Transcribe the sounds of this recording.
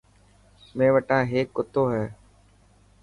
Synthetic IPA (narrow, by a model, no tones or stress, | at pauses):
mẽːʋəʈãːɦeːkːʊt̪oːɦɛː